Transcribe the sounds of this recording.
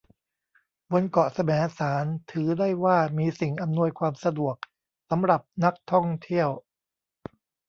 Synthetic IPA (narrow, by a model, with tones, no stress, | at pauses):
bo˧nkɔ˨˩sa˧mɛː˩˦saː˩˦nt̪ʰɯː˩˦daː˥˩jwaː˥˩miː˧si˨˩ŋʔa˧mnu˧əjkʰwaː˧msa˧du˨˩ək̚ | sa˩˦mɾa˨˩p̚na˦˥k̚t̪ʰɔ˥˩ŋt̪ʰi˥˩əw